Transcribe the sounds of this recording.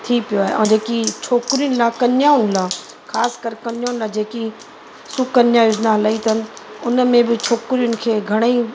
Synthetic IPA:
t̪ʰipijoaːɦḛʔɛ̰̃d͡ʑeːkit͡ɕʰoːkɾijʊnɪ̆laːkɐnjaːʊnɪlaː | xaːskəɾkɐnjaːʊnɪlaːd͡ʑeːki | sʊkɐnjãːʊd͡ʒnaɦɐlaːit̪ʰɐn | ʊnəmẽbɪt͡ɕʰoːkɾijʊnɪ̆kʰeːɡʱɐɽ̃ei

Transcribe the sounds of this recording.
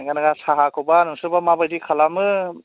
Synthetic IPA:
ɡanaɡasaɦakʰɯwbanɯŋsɯbamabajdikʰalamɯ

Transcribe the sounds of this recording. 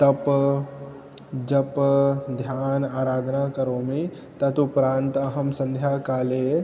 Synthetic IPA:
t̪ɐb | d͡ʒɐbd̪ʱjaːnaːɾaːd̪ʱnakəɾõmẽ | t̪ɐt̪ʊpɾãːnt̪ɐɦəmsɐ̃nd̪ʱjaːkaːle

